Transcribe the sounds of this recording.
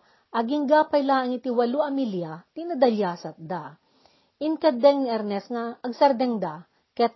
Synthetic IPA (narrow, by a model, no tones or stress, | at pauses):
ʔɐɡɪŋɡaːpɐjlaɐŋɪt̪iwɐluɐmiljat̪inɐd̪ɐljasɐt̪̚d̪a | ʔɪnkɐd̪ɛŋniʔɛɾnɛsnaɐɡsɐɾd̪ɛŋd̪a | kɛt̪